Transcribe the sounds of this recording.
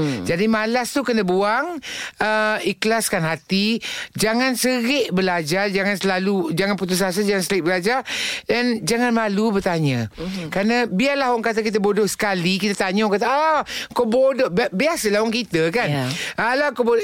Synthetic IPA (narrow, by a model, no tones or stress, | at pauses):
d͡ʒadimalast̪ukənəbuaŋəiklaskanhat̪id͡ʒaŋansəɣɪʔbəlad͡ʒard͡ʒaŋansəlalud͡ʒaŋanput̪̬us̬as̬ad͡ʒaŋansəlɪʔbəlad͡ʒarɛnd͡ʒaŋanmalubərt̪aɲə̃kɾanabiarlahwɔŋkat̪̬akit̪̬əbodɔʔsə̥kalikit̪at̪aɲaŋkat̪aakowbodɔʔbbiasəlahwɔŋkit̪əkanalahkobo